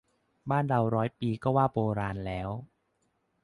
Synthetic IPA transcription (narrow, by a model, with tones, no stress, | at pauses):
baː˥˩nɾa˧wɾɔː˦˥jpiː˧kɔː˥˩waː˥˩boː˧ɾaː˧nlɛː˦˥w